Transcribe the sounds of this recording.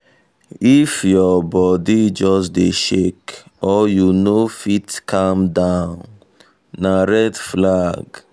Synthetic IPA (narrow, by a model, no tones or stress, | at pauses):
ifjɔbɔdid͡ʒɔs̬deʃekɔjunofitkʰãmdãʊ̃nnː | aɹɛdflaɡ